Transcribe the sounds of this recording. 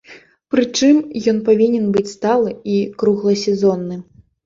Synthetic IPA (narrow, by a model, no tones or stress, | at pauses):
pɾɨt͡ʂɨmjɔnpavʲinʲɛnbɨt͡sʲst̪alˠɨikɾuɣlˠɐsʲɛzɔnːɨ